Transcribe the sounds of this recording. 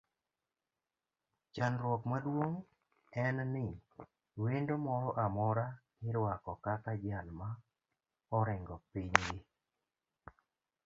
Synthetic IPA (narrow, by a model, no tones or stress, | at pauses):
t͡ʃanɾwɔkmadwoŋ | ɛnnɪ | wendomɔɾɔʔamɔɾa | ɪɾwakɔkakad͡ʒalma | ɔɾɪŋɡɔpiɲɡi